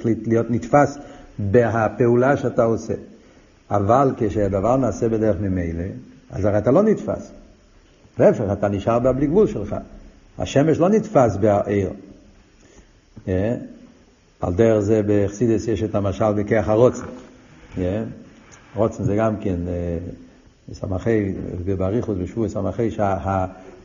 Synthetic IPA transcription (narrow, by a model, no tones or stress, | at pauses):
litlijotnitfasbeɦapeulaʃeataosḛ | avalkeʃead̪avaʁnaːsɛbedɛʁəχmɪmeɪlea̰zaʁatalonitfa̰s | leɛfeχataniʃaʁbeabliɡvulʃɛlχa̰ | a̰ʃɛmeʃlonitfasbeaʔeɪʁ | je | a̰lˠdɛʁəχzɛbeχsidəsjeʃɛtamaʃalbekejaχaʁɔt͡sn̩je | ʁɔt͡sn̩zɛɡamkɛn | sa̰maχeɪbebaʁiχʊsbɪʃvuəsamaχeɪʃaɦa